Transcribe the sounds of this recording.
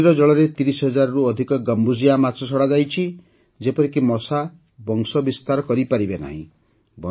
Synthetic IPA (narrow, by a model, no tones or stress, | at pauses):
ɾɔd͡ʒɔɭɔɾet̪iɾisɦɔd͡ʒaɾɔɾuɔd̪ʱikɔɡɔmbuzijamasʰɔsʰɔɽad͡ʒajt͡ʃʰi | d͡ʒepɔɾikimɔsa | bɔŋsɔbist̪aɾɔkɔɾipaɾibena̰ɦḭ̃ | bɔ